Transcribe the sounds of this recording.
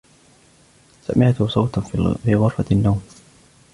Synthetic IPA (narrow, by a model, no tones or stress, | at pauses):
sa̰mɪʕt̪sˤɑwt̪nfiːɣʊɾfɑnːawm